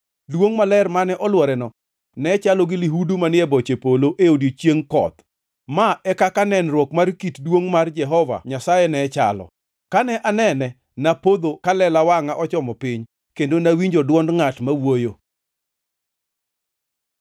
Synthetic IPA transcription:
dwoŋmalɛrmanɛʔɔlwɔɾɛnɔ | nɛt͡ʃalɔɡɪliɦudumanɪɛbɔt͡ʃepoloʔeodjot͡ʃjeŋkɔ̰t̪ | maɛkakanɛnrwɔkmarkitdwoŋmard͡ʒɛɦɔva̰ɲasajɛnɛt͡ʃa̰lɔ̰ | kanɛʔanɛnɛ | napod̪okalɛlawaŋaʔɔt͡ʃɔmɔpɪɲ | kendonawiɲd͡ʒɔdwɔndŋatmawojo

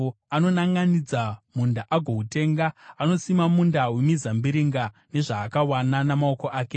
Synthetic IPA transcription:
ano̞naŋɡanid͡zamundaʔaɡʱo̞ɦute̞ːŋɡaano̞simamundawemizambiɾiŋɡa | ne̞ʐaːkawananamao̞ko̞ʔaːke̞

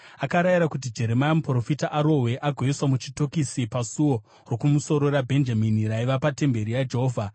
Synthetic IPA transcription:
akaɾajiɾakut̬id͡ʒe̞ɾe̞majamupro̞fitaʔaɾo̞we̞ʔaɡʱeiswamut͡ʃito̞kisipasuwo̞ | ro̞kumuso̞ɾo̞ɾabʱe̞nd͡ʒaminiɾaiʋapate̞mbe̞ɾijad͡ʒeɦoːvʱa

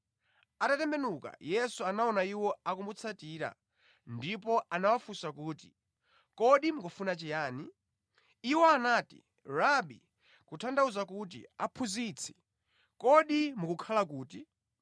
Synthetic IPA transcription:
atatɛmbɛnuka̰jɛsuanaɔnaiwɔakumbut͡sʰatiːɾa̰ | ndip̬ɔanawafusakuːti̥̰ | kɔɗimukufunat͡ʃɛjaːniː | wɔanaːtḭ | ɾaɓḭ | kutʰandauzakut̬ḭa̰pʰuzit͡sʰɛ̥ | kɔɗimukukʰalakuːti

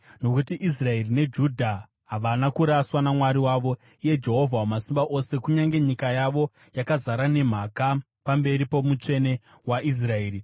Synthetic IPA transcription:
no̞kutiʔis̬rae̞rine̞d͡ʒudʱa | ɦaʋanakuɾaswanamwaɾiwaʋo̞ | ije̞d͡ʒe̞ɦo̞vʱawamasimbaʔo̞se̞kuɲaŋɡe̞ɲikajaʋo̞ | jakazaɾane̞m̤aka | pambe̞ɾipo̞mut͡ʂe̞ne̞ | waʔis̬rae̞ːri

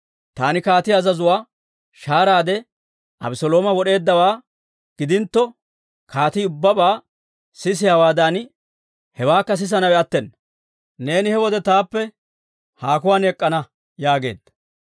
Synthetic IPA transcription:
t̪aːnɪkaːt̪ɪjɐzɐzʊwaː | ʃaːɾaːd̪ɛ | ʔɐ̰bɪsɔlo̞ːmɐwɔɗe̞ːd̪ːɐwaː | ɡ̥ɪd̪ɪnt̪ːɔ | kʰaːt̪ɪʊbːɐbaː | sɪs̬ɪjawaːd̪aːn | hɛwaːkːɐs̬ɪs̬ɐnɐwɛɐt̪ːɛnː | ne̞ːnɪhɛwɔd̪ɛt̪aːpːɛ | haːkʊwaːnɛkʼːɐnɐ | jaːɡe̞̰ːd̪ɐ

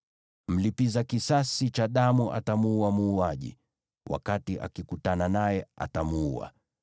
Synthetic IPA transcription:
m̩lipizakisasit͡ʃaɗamuʔa̰tamuuamuːaʄḭ | wʔa̰katiʔa̰kikutananajɛa̰tamuua̰

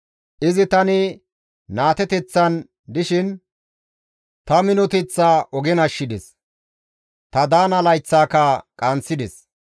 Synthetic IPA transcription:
ʔɪzɪt̪ɐnɪ | naːt̪ɛt̪ɛt͡sːɐn | d̪ɪʃɪn | t̪ɐmɪnɔt̪ɛt͡sːaːʔɔɡɛnɐʃːɪd̪ɛs | t̪ɐd̪aːnɐlɐjt͡sːaːkɐkʼɐnt͡sːɪd̪ɛs

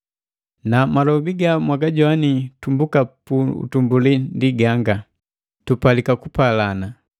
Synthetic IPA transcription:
namalɔbiɡamwaɡaɟɔwanitumbukapuṵtumbulindiɡaŋɡa | tupalikakupalana

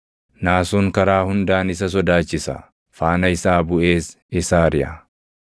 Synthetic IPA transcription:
naːsuːŋkɐɾaːhʊnd̪aːnɪs̬ɐs̬ɔd̪aːt͡ʃːɪsɐ̰ | faːnɐɪsaːbʊʔe̞ːs | ɪsaːɾɪʔɐ

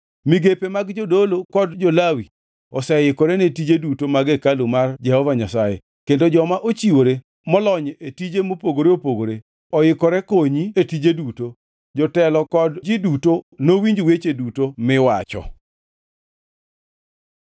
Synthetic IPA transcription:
miɡepemaɡd͡ʒɔdolokɔdd͡ʒolawi | ɔsɛjɪkɔɾɛnetid͡ʒedutomaɡekalumard͡ʒɛhɔvaɲasajḛ | kendod͡ʒɔmaʔot͡ʃiwoɾe | mɔlɔɲetid͡ʒemopoɡoɾeopoɡoɾe | ɔjɪkɔɾɛkoɲietid͡ʒeduto | d͡ʒɔtɛlɔkɔdd͡ʒɪdutonowiɲd͡ʒwet͡ʃedutomɪwat͡ʃɔ̰

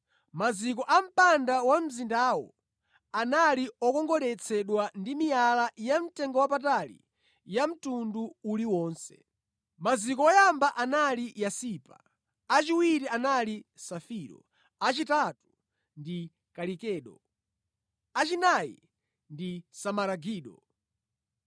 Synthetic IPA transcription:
mazik̬ɔʔam̩pandawam̩zindawɔ̰ | analiɔkɔŋɡɔɾɛt͡sʰɛɗwandimijalajam̩tɛŋɡɔwap̬atalḭ | jam̩tunduuliwɔːnsɛ | mazikɔɔjambaʔanalijasiːpa̰ | at͡ʃiwiɾianalisafiːɾɔ̰ | at͡ʃitatu | ndi | kaɾikɛːɗɔ | at͡ʃinajḭ | ndisamaɾaɡiːɗɔ

